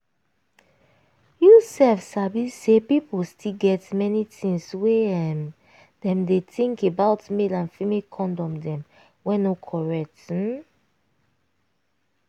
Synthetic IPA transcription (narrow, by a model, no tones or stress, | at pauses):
jusɛlfsabisepipostʰilɡɛtmɛnitĩŋsweɛm | dɛ̃mdetĩŋkebaʊtmelãnfimikʰɔ̃ndɔ̃mdɛ̃m | wɛ̃nokʰɔɹɛk̚t̩